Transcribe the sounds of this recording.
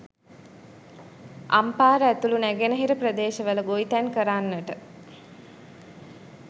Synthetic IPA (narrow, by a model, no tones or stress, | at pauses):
ʔa̰mpaːɾəæt̪ulunæɡenəɦiɾəprəd̪eːʃəʋələɡoit̪ænkəɾanːəʈə